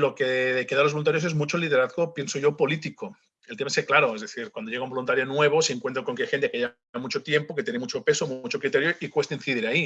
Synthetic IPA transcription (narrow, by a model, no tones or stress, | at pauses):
lo̞keekeðalo̞zβlunt̪aɾjo̞s̬e̞zmut͡ʃoliðe̞ɾaθɣopje̞nsoʝo̞polit̪iko | e̞lt̪emaeseklaɾo̞ezðeθiɾkwand̪o̞ʝe̞ɣaumbolunt̪aɾjonwe̞β̞o̞seŋkwe̞nt̪ɾoako̞ŋkeajxe̞nt̪ekeʎe | amut͡ʃo̞t̪je̞mpo̞ket̪jenemut͡ʃo̞pe̞somut͡ʃo̞kɾit̪eɾjoʔikwe̞st̪ainθiðiɾai